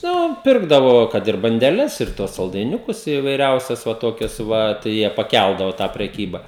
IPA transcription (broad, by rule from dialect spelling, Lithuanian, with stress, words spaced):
ˈnʊ ˈpʲɪrɡdɐʋoː ˈkɐt ɪr bɐnʲdʲɛˈlʲɛs ɪr tuɔs sɐlˠdɐɪˈnʲʊkʊs ɪʋɐɪˈrʲɛʊsʲɛs ʋɐ ˈtoːkʲɛs ˈʋɐ tɐɪ ˈjiɛ pɐˈkʲælˠdɐʋoː tɑː pʲrʲɛˈkʲiːbɐ